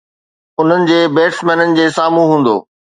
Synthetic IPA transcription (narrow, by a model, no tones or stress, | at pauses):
ʊn̤ənɪ̆d͡ʑeːbeːʈsmɛ̃ːnənɪ̆d͡ʑeːsaːmũɦũːn̆d̪o̰ː